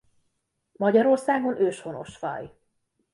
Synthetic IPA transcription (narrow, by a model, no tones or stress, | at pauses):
mɒɟɒɾo̞rsaːɡo̞nʔøːʃho̞no̞̰ʃʋɒ̰j